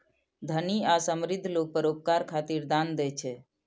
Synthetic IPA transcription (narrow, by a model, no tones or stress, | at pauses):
d̪ʱəniasəmɾid̪ʱːlok̚pəɾop̚kaɾkʰat̪iɾd̪and̪ɛt͡ʃʰɛ